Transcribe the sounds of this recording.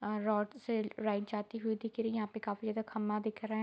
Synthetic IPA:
ɾɔːʈseɾaːɪʈd͡ʒaːt̪iɦʊid̪ɪkʰɾijɐɦãpekaːfizjaːd̪akʰɐmːad̪ɪkʰɾɐɦɛ̃

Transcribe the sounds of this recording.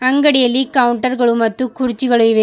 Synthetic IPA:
ɐŋɡɐɽɪjɐlikɐwʊɳʈɐɾɣɐɭɯmːɐt̪ːɯkʊrɪt͡ʃːiɣɐɭɯʋe

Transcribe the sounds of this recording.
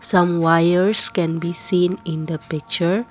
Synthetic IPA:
sãmwajəɹskɛ̃nbisĩnĩndəpɪk̚t͡ʃəɹ

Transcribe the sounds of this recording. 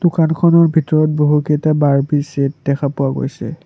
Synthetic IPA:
d̥ʊkankʰɔnɔɹbʱitɔɹɔt̚boɦukɛtabaɹbiset̚dɛkʰapʊwaɡo̰jsɛ̰

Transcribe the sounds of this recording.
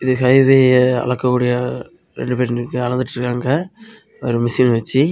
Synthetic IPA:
ɪðɯkɐɪʋeːɐ̰lɐkːɐkːuːɽɪjɐ | ɾɛ̰ɳɖɯpeːɾnɾɯkːɯɐlɐnd̪ɯʈːɪɾɯkːaːŋɡɐ | ɔɾɯmɪsiːnʋɐt͡ʃːi

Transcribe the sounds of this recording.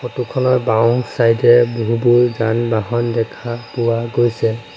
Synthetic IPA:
xotukʰɔnɔɹbawsajdɛboɦubʊɹzanbaɦɔndɛkʰapʊwaɡojsɛ

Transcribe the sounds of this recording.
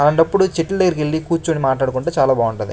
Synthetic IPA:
ɐlɐɳʈɐpːuɽut͡ʃiʈːlɐd̪ɐɡɐɾkeɭːikuːɾt͡ʃuːɐɳimaːʈlaːɽukuɳʈoːt͡ʃaːlaːbʱaːuɳʈɐd̪ḭ

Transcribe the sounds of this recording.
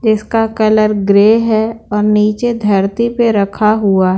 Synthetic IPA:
d͡ʒɪskakɐləɾɡɾeːɦɛɔːɾniːt͡ʃed̪ʱɐɾt̪ipeɾɐkʰaɦʊaɦɛ

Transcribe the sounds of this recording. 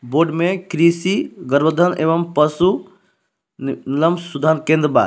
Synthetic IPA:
boːɖmẽkɾisiɡɐɾbəd̪ʱɐneːʋɐmpɐsu | nɪlɐmsud̪ʱaːnkẽːnd̪ɾba̰ː

